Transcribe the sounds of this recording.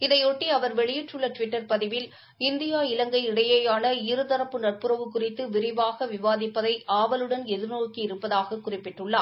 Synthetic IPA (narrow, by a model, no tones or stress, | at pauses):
ɪðɐɪɔʈːiɐʋɐɾʋɛɭɪjɪʈrɯɭːɐʈʋɪʈːɐɾpɐðɪʋɪl | ɪnd̪ɪjaːɪlɐŋɡɐɪɪɽɐjɐjaːnɐɪɾɯðɐɾɐpːɯnɐʈ̚pɯɾɐʋɯkːʊrɪt̪ːɯʋɪɾɪʋaːɣɐʋɪʋaːðɪpːɐðɐɪʔʔaːʋɐlɯɽɐnɛðɯɾnoːkiɪɾɯpːɐðaːɣɐkːʊrɪpːɪʈrɯɭːaː